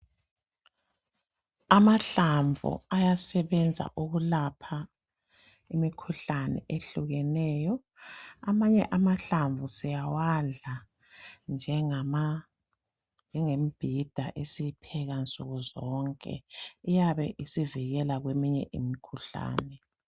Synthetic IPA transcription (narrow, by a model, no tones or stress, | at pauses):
amaɬaɱvʱṵajasɛβɛnd͡zʱa̰ʔuɣulapʰa | imikʰuɬanɛ̰ʔeɬuɣɛnɛːjɔ | amaɲɛ̰ʔamaɬaɱvusɛjawaa | nd͡ʒʱɛ | nd͡ʒʱɛŋemib̥ʱid̥ʱa̰ʔesiipʰɛɣant͡sʼuɣuzɔŋkʼɛ̰ijaβɛ̰ʔisiviɣɛlaɣwemiɲɛ̰ʔimikʰuɬa̰ːnɛ